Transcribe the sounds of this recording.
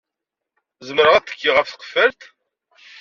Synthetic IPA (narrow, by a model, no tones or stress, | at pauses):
zəməɾəʁæt̪ːə̥kːiʁəfθə̥qə̥fəɾt̪